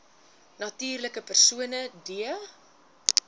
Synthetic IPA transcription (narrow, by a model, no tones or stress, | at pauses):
nɐtiːrləkəpərsuənədiə